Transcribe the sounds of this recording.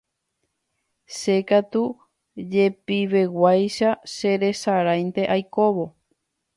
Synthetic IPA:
ʃe̞kat̪u | d͡ʒe̞piʋe̞wajʃaʃe̞ɾe̞saɾajnt̪e̞ʔajko̞βo̞

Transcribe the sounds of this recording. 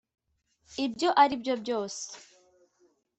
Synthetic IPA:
ibjo̞ʔaɾibjo̞bjo̞ːse̥

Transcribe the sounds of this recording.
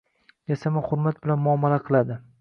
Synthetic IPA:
jasamahʊɾmat̪̚bɪlanmʊamːalaqʰɨlˠad̪ɪ

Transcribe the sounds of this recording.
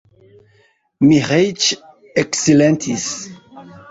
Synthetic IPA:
miʁejt͡ʃ | eksilẽnt̪ʰis

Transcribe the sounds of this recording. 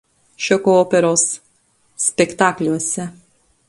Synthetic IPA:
ʃʲɔkooːpʲɛɾoːsːʲ | pʲɛkt̪ɑːklʲuɔsʲɛ

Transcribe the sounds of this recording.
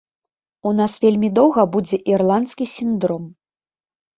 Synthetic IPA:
unasvʲelʲmʲid̪ɔwɣɐbud͡zʲɛʔirlˠant̪skʲisʲind̪ɾɔm

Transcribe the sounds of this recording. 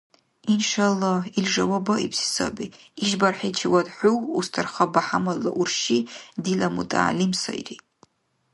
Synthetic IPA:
inʃalːɑhilʐawabaipsi̥sa̰biː | ʒbarħat͡ʃʰawadħʷuwustʰarχabaħamalːa̰ʔurʃidilamutʼa̰ːlimsa̰ḭri

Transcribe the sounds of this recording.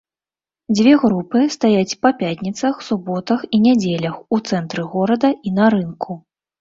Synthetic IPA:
d͡zʲvʲɛɣɾupɨst̪ajat͡sʲpɐpʲat̪ʲnʲit̪sɐxsubɔt̪ɐxinʲad͡zʲelʲɐxut̪sɛnt̪ɾɨɣɔɾɐd̪ɐinɐɾɨnkʰu

